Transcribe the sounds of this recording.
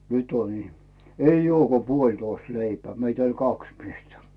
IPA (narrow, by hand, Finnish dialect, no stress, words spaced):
nyt on ihmĕ eij ŭoː ko puolʲtoist leipeæ meit olʲ kɑks miestæ